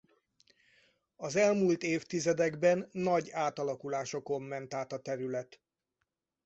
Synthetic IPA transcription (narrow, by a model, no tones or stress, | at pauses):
ɒzɛlmult̪eːft̪izɛd̪ɛɡbɛnːɒɟaːt̪ɒlɒkulaːʃoko̞mːɛnt̪aːt̪ɒt̪ɛɾylɛt̪